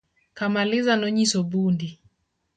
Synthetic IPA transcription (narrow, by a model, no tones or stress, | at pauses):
kamalizanɔɲisɔbundi